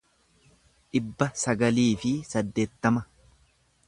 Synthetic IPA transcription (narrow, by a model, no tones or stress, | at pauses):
ᶑɪbːɐsɐɡɐliːfɪsɐd̪ːe̞ːt̪ːɐmɐ